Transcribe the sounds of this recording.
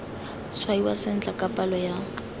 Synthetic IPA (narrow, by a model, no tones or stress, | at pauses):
t͡sʰwaiwa̰sɪn̩t͡ɬakʼapʼalɔja